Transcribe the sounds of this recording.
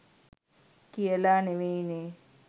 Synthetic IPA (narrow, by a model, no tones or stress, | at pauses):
kijəlaːneʋeneː